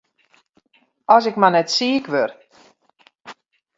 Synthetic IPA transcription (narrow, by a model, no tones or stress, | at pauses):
ɔsɪkmanɛtsiːəkʋør